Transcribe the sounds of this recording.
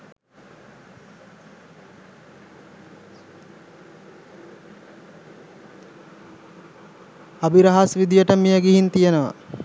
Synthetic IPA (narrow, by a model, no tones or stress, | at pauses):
abiɾɐɦasʋid̪ijəʈəmejəɡiɦint̪ijənəʋa̰